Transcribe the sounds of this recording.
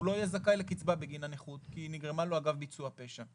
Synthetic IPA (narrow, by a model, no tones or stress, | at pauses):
ulo̞ajezakaelekit͡sbabeɡinaneχut̪kiːniɡʁemaloaɡavbit͡suape̞ʃa